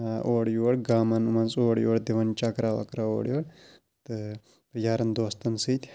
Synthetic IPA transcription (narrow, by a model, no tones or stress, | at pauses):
ʔoːɽjuɽɡaːmɐnumɐnt͡soːɽjoːɽd̪eʋɐnt͡ʃakɾaːʋɐ̰kɾaoːɽjoːɽ | t̪ɨ | pɾjaːɾɐnd̪oːst̪ɐnsɨt̪ʲ